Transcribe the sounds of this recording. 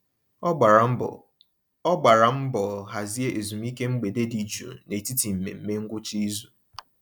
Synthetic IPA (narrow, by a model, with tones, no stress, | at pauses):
ɔ˦ɡ͡ba˨ɾa˨m̩˦bɔ˨ɦa˨zi˦e˦ʔe˨zu˨m̩˦i˦ke˦ŋ͡m̩˦ɡ͡be˨de˦di˨d͡ʒṵ˨ne˨ti˦ti˨m̩˨mḛ˨m̩˦me˦ŋ̩˦ɡʷʊ˦t͡ʃi˦zu˨